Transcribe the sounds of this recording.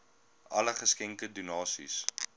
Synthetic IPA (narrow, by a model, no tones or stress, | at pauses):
ɐ̰ləχəskɛŋkədunɑːsḭs